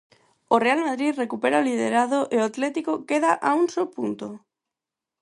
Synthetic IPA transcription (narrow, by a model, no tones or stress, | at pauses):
orealmaðɾiðrekupeɾaolið̞eɾaðoʔeoat̪lɛt̪ikokeðaʔauŋsopunt̪o